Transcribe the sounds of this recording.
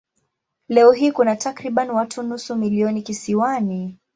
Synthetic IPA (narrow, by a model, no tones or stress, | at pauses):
lɛɔɦiːkunatakɾiɓaniwatʰunusumiliɔnikisiwani